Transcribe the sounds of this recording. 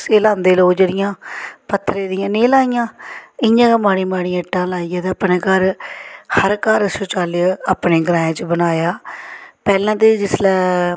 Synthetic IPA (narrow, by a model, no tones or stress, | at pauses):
seːlaːnd̪eːloːd͡ʒeːɽɪjãːpət̪ʰːɾeːd̪ɪjãːneːlaːijãːɪjãːkamaːɽiːmaːɽĩːãːʈːãːlaːijãːt̪eəpneːkəɾhəɾkəɾsʊt͡ʃaːlaːpneːɡɾãːẽːt͡ʃbənaːjaːpɛːlãːt̪̬eːd͡ʒɪslɛː